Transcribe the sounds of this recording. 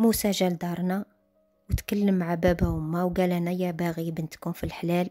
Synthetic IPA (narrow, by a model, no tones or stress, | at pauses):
musæʒæld̪ɑɾˤnæ | wət̪kəlːəmːaʕabæbæhʊmːæwɡælænæjæbæɣibənt̪kunfilħlæl